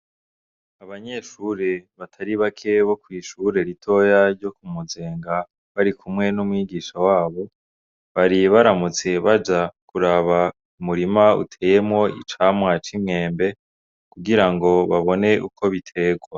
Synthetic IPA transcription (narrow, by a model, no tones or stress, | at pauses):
aβaɲe̞ʃuɾe̞βatʰaɾiβakʰe̞βo̞kwiːʃuɾe̞ɾitʰo̞jaɾɟo̞kumuze̞ːŋɡa | βaɾikʰumŋe̞numŋiːɡiʃawaːβo̞ | βaɾiβaɾamut͡se̞βad͡ʒakuɾaβa | umuɾimaṵtʰe̞ːjemŋo̞ḭt͡ʃaːmŋwat͡ʃimŋe̞ːmbe̞ | kuɡiɾaŋɡo̞βaβo̞ne̞ʔukʰo̞βitʰe̞ɡwa